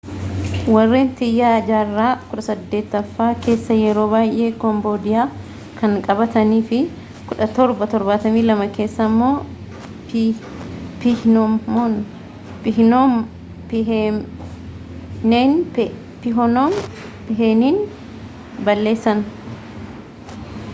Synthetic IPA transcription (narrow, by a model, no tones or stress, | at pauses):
wɐrːeːnt̪ɪjːaːd͡ʒaːrːaːkʊᶑɐsɐd̪ːe̞ːt̪ːɐfːaːke̞ːsːɐjɛɾo̞ːbaːjʔe̞ːkɔmboːd̪ɪjaː | kɐŋkʼɐbɐt̪ɐniːfɪ | kʊᶑɐt̪ɔɾbɐt̪ɔɾbaːt̪ɐmiːlɐmɐke̞ːsːɐːmːo̞ː | pɪnn | n | neːn | pɪɦɔnom | pɪɦeːniːn | bɐlːe̞ːsːɐn